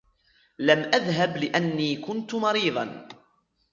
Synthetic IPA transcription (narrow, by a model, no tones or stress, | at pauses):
lamʔaðɦablɪʔanːiːkʊnt̪ʊmɑɾiːðˤɑ̰n